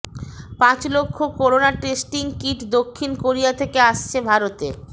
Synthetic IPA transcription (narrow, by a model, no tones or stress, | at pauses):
pãt͡ɕlokʰːokoɾonaʈesʈiŋkiʈd̪okʰːinkoɾijat̪ʰekeaʃt͡ɕʰebʱaɾot̪e